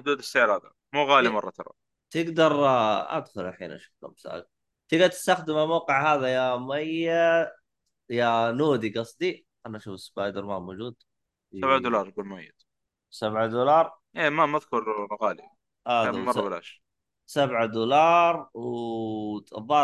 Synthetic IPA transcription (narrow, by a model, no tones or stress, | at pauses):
ħʊd̪uːd̪ɪsːeːlhaːd̪a | muːɣaːlimɑrˤːɑt̪ʰɑ̰ɾˤɑ̰ | t̪ɪɡd̪ɑɾˤʔa̰d̪xʊlʔaħḭːnʔa̰ʃɪ̥kkːa̰msa̰ːɡ | t̪ɪɡdat̪ɪ̥st̪axd̪ɪmalmaːqɪʕɦaːðajamajːa | januːd̪iɡɑsˤd̪i | ʔanaʔaʃuːfɪsbaːjd̪ɑɾˤmamoːd͡ʒuːd̪ | sabʕad̪ulɑːɾˤɡuːlmajːɪd̪ | sabʕad̪ulɑːɾˤ | ʔeːmamaðkʊɾˤɣaːli | ʔamɑrˤːɑbɪlʔaʃɾ | sabʕad̪uːlɑːɾˤww | ðˤɑː